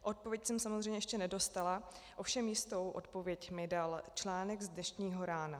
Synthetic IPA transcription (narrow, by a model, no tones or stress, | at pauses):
ʔo̞t̪̚povjɛcsɛmsamozrɛjɲɛjɛʃcɛnɛdo̞st̪ala | ʔofʃɛmjɪst̪o̞wʔo̞̰t̪po̞vjɛcmɪdalt͡ʃlaːnɛɡzdnɛʃɲiːɦo̞ɾaːna